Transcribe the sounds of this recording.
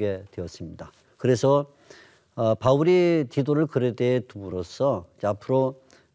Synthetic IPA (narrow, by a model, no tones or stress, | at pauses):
ɡe̞tweʌs͈ɯmɲida | kɯɾe̞sʰʌ | pauɾit͡ɕidoɾɯɭkɯɾede̞ːtumɯɾosʰʌd͡ʑeapʰɯɾo